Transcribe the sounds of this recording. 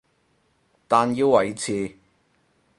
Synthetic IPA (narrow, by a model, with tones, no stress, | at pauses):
t̪aː˨njiː˧wwɐ˨˩jt͡sʰiː˨˧